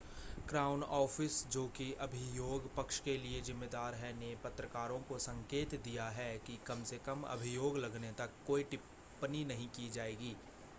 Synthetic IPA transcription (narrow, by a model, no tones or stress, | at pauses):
kɾaːʊnɔːfɪsd͡ʒoːkiʔɐbʱijoːɡpɐkʃkeliezɪ̃mːeːd̪aːɾɦɛnepɐt̪ɾəkaːɾõkosɐ̃ŋkeːt̪d̪ijaɦɛkikɐmsekɐmɐ̰bʱɪjoːɡlɐɡnet̪ɐkːoːiʈɪpː | əninɐɦĩkid͡ʒaːeːɡiː